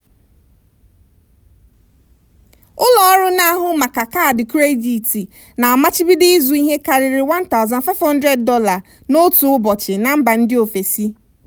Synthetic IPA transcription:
ʊ˦lɔ˦ɔ˦ɾʊ˦na˦a˦ɦʊ˦ma˨ka˨ka˦˨dɪ˨kɾe˦di˨ti˨ | na˨a˨ma˦t͡ʃɪ˦bi˦dɪ˦ɪ˦zu˨i˦ɦe˦ka˨ɾɪ˨ɾɪ˨wa˦nta˦ʊ˨za˨nfa˦ɪ˦vhɔ̃˦n˦dɾe˨d̚ːɔ˦la˨ | no˦tʊ˨ʊ˦bɔ˨t͡ʃɪ˨na˨m̩˦ba˨n̩˦dɪ˦o˨fe˨si˦

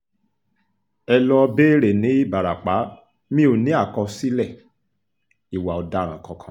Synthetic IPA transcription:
ɛ˧lɔ˧be˦ɾe˨nĩ˨˦i˦ba˨ɾa˨k͡pa˨˦ | mĩ˦o˨nĩ˨˦a˦˨kɔ˧si˦lɛ˦˨ | i˨wa˨ɔ˨da˧˨ɾ̃ã˨kɔ̃˧kʰã˨

